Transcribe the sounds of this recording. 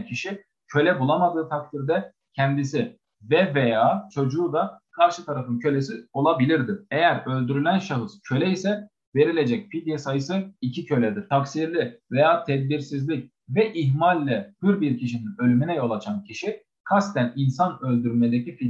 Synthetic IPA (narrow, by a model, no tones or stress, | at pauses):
cʰiʃi | cʰø̞lʲɛbulˠamad̪ɯːt̪ʰak̚t̪ʰiɾd̪ɛ | cʰɛnd̪isi | vɛvɛjaːt͡ʃʰo̞d͡ʒuːd̪akʰaɾʃɯt̪ʰaɾafɯncʰø̞lʲesio̞lˠabilʲiɾd̪ɪejæɾø̞lʲd̪yɾylʲænʃaɦɯscʰø̞lʲɛisɛ | ve̞ɾilʲe̞d͡ʒɛcfid̪jasajɯsɯicʰicʰø̞lʲɛd̪iɾ̥t̪ʰaksiɾlʲivɛjaːt̪ʰɛd̪̚biɾsizlʲic̚ | vɛʔiɦmalʲːɛhɯɾbiɾcʰiʃininø̞lʲyminɛjo̞lˠat͡ʃʰancʰiʃi | kʰast̪ʰæninsanø̞lʲd̪yɾylmɛd̪ecifi